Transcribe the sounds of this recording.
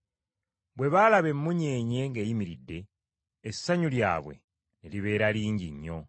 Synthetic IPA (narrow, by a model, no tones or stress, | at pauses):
bwe̞βalaβe̞mːuɲe̞ːɲe̞ŋɡejimiɾidːe̞ː | sːaɲulja̰ːβwe̞̰ | neliβe̞ːɾaliːɲɟḭɲːo̞